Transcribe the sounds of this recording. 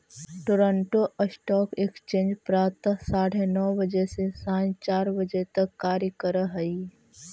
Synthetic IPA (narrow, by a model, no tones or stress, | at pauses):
ʈoːɾə̃ɳʈoʔəsʈɔːkekst͡ʃẽːnd͡ʒpɾaːp̚t̪asaːɽenɔːbəd͡ʒesesãːit͡ʃaːɾbəd͡ʒet̪ɐkːaːɾjəkəɾəɦəi